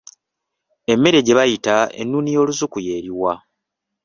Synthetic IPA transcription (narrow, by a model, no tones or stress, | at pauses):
e̞mːe̞ɾe̞ɟe̞βajitae̞̰nːunijo̞ːluzukuje̞ːɾiwa